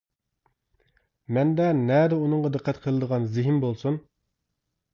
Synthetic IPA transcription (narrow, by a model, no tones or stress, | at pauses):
mɛnd̪ɛnɛd̪ɛunɨŋʁɑd̪ɨqʰːæt̪qʰəlˠɨd̪əʁɑnzɪɦɪmbolˠsun